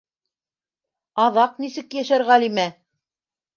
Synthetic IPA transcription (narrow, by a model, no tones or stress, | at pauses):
ɑðɑqnisɘkjæʃæɾʁælimæ